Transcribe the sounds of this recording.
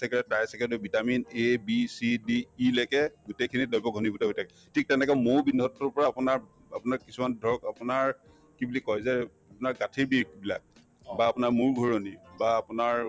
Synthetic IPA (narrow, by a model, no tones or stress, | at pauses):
sɛkɹɛtajsɛkɛdɔbʱitaminebisidiːlɛkɛɡutekʰinidɔjbɔɡʱɔnibutɛɦojtʰakɛ | tʰik̚tɛnɛkɔmowbinɔtːɔɹpɔɹapʊnaɹ | apʊnaɹkisumandʱɔɹɔkapʊnaɹ | kibulikɔjza | apʊnaɹkatʰiɹbiɹkbila̰k̚ | baːpʊnaɹmuɹɡʱɔɹonibaːpʊnaɹ